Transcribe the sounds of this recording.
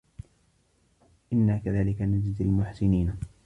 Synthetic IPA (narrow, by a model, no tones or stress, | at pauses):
ʔɪnːaːkaðaːlɪkanad͡ʒɪd̪almʊħsɪniːn